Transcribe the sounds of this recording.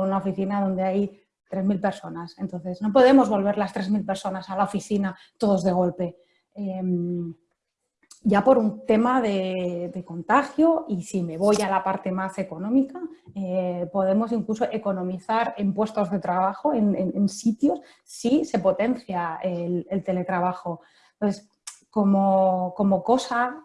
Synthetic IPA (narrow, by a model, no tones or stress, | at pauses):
unaofiθinað̞o̞nd̪e̞aj | t̪ɾe̞zmilpe̞ɾso̞nase̞nt̪o̞n̟θe̞zno̞p̬o̞ð̞e̞mo̞zβo̞lβ̞e̞ɾlast̪ɾe̞zmilpe̞ɾso̞nasalaofiθina | t̪o̞ð̞ozðe̞ɣ̞o̞lpe̞ | em | ʝapo̞ɾunt̪e̞maðe̞ðe̞ko̞nt̪axjo̞isime̞β̞o̞jalapaɾt̪e̞mase̞ko̞nõ̞mikaepo̞ð̞e̞mo̞siŋkluso̞ʔe̞ko̞nõ̞miθaɾempwe̞st̪o̞zðe̞t̪ɾaβaxo̞enenensit̪jo̞sː | ise̞po̞t̪e̞nθjaelelt̪e̞le̞t̪ɾaβ̞axo̞ | t̪oθes | ko̞moko̞mo̞ko̞sa